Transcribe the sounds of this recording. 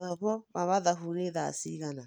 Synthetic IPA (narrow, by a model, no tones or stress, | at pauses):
ɔβɔβaβaðaɦuɾeða̰siɣana